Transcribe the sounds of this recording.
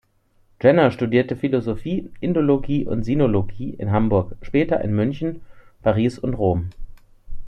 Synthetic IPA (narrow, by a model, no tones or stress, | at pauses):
d͡ʒ̥ɛnɐʃtudiːɐtəfilozofiːʔɪndoloɡiːʔʊ̰ntz̥inoloɡiːʔɪ̰nɦambʊɐkʃpɛːtɐʔɪ̰nmʏnçn̩pʰaʁiːsʊntʁoːm